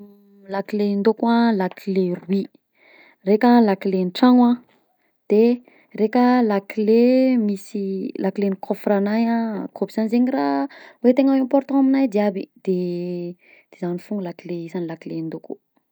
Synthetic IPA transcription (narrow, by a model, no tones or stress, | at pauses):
lakilend̪okwalakilerwi | rekalakilenʈ͡ʂaŋwã | d̪̥e | rekəlakilemisilʔakilenikʰofranajãkʰobi̥zanizeɲirawet̪eŋawãmpɔɾt̪ɔ̃aminajd̪iabḭd̪̥e | d̪̥ezanifuŋəlakileizanilakilend̪okṵ